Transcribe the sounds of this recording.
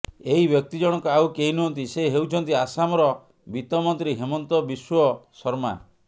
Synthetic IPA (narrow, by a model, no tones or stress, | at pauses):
eɦibjɔk̚t̪id͡ʒɔɽ̃ɔŋkɔawkeɦinuɦɔnt̪iseɦewt͡ʃʰɔnt̪iasamɔɾɔ | bit̪ɔmɔnt̪ɾiɦemɔnt̪ɔbiswɔsɔɾma̰